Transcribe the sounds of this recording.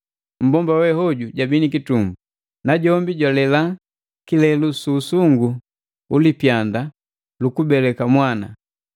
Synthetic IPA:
m̩bɔmbawɛhɔɟuɟabinikitumbu | naɟɔmbiɟalɛla | kilɛlusuːsuŋɡu | ulipjanda | lukubɛlɛkamwana̰

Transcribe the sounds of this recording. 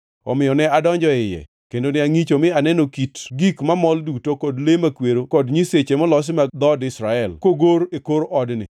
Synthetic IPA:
ɔmɪjɔnɛadɔɲd͡ʒɔɪjɛ̰ | kendonɪaŋit͡ʃomɪanɛnokitɡikmamɔldutokɔdlemakweɾokɔdɲiset͡ʃemɔlɔs̬mad̪ɔdɪsɾaɛlkoɡoɾekoɾʔɔdnɪ̰

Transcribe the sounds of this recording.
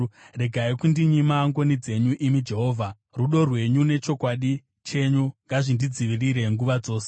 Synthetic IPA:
re̞ɡʱaikundiɲimaŋɡo̞nid͡ze̞ɲuʔimid͡ʒe̞ɦo̞ːvʱa | ruɗo̞rwe̞ɲune̞t͡ʃo̞kwaːɗi | t͡ʃe̞ɲuŋɡaʐindid͡ziʋiriɾe̞ŋɡuʋad͡zo̞ːse

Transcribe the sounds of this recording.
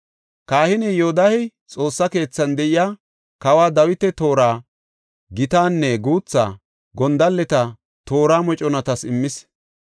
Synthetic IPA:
kaːhɪnɛjod̪ɐhɛj | t͡sʼo̞ːsːɐke̞ːt͡sːɐnd̪ɛʔɪjaː | kɐwaːd̪ɐwɪt̪ɛt̪o̞ːɾaː | ɡɪt̪aːnːɛɡuːt͡sːa̰ː | ɡɔnd̪ɐlːɛt̪ɐ | t̪o̞ːɾaːmɔt͡ʃʼɔnɐt̪ɐsɪmːɪs

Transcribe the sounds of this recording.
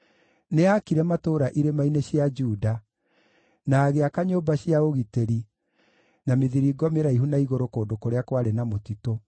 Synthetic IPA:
neakiɾɛmatoɾaʔiɾemaineɕjad͡ʒuːda | naːɣeakaɲoːbaɕiaoɣiteɾi | nameðiɾiɡɔmeɾaiɦunaiɣoɾokoːdokoɾeakwaɾenamotito

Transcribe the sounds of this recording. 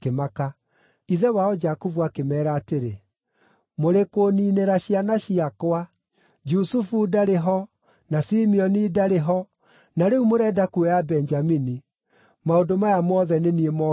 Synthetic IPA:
kemaka | iðɛwaɔd͡ʒakuvuakemɛːɾaːteɾe | moɾekoniːneɾaɕianaɕiakwa | d͡ʒusufuːdaɾeɦɔ | nasimiɔniːdaɾeɦɔ | naɾeumoɾɛːdakuɛjabɛnd͡ʒamini | maodomajamɔðɛneniemɔ

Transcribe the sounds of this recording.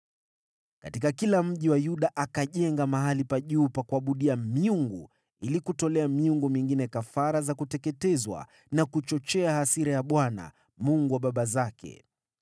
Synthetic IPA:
katikakilam̩ʄiwajuɗaʔakaʄɛŋɡamaɦalipaʄuːpakuaɓuɗiamiuŋɡu | ilikutɔlɛamiuŋɡumiŋɡinɛkafaɾazakutɛkɛtɛzwa̰ | nakut͡ʃɔt͡ʃɛahasiɾajaɓwana̰ | muŋɡuwaɓaɓazakɛ̰

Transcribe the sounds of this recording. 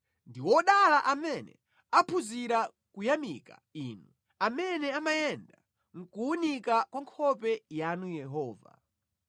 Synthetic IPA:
ndiwɔɗalaʔamɛnɛ̰ | apʰuziɾa | kujamika̰inu | amɛnɛamajɛnda | ŋ̩kuunikakwaŋkʰɔpɛjanujɛɦɔːva̰

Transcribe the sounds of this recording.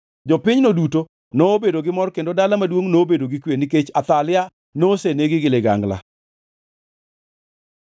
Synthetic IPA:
d͡ʒɔpɪɲnoduto | noːbedoɡɪmɔrkendodalamadwoŋnobedoɡɪkweniket͡ʃat̪alɪa | noseneɡɪɡɪlɪɡa̰ŋɡla̰

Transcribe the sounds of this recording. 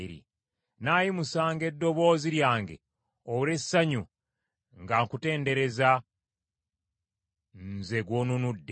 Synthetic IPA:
iɾḭ | naːjimusaːŋɡe̞dːo̞βo̞ːziɾjaːŋɡe̞̰ | oβuɾe̞saɲu | ŋɡaŋkute̞ːnde̞ɾe̞za | nzeɡwonunudːe

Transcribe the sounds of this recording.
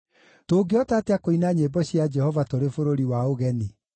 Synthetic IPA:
toːɡeɔtateakoinaɲeːbɔɕjad͡ʒɛhɔvatoɾefoɾoɾiwaoɣɛni

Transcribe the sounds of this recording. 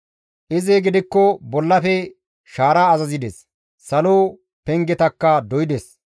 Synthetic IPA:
ʔɪzeːɡɪd̪ɪkːɔbɔlːɐfɛ | ʃaːɾaːɐzɐzɪd̪ɛs | sɐloː | pɛŋɡɛt̪ɐkːɐd̪ɔjɪd̪ɛs

